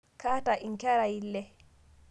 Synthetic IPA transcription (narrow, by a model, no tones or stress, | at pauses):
kaːtaʔinkɛɾajilːɛ